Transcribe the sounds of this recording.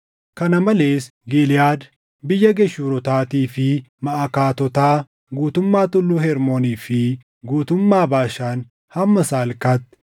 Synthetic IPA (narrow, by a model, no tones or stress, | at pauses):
kɐnɐmɐle̞ːs | ɡilɪjaːd̪ | bɪjːɐɡɛʃːuːɾɔt̪aːt̪iːfɪmɐʔɐkaːt̪ɔt̪aː | ɡuːt̪ʊmːaːt̪ʊlːʊhɛɾmoːniːfɪ | ɡuːt̪ʊmːaːbaːʃaːn | hɐmːɐsaːlkaːt̪ː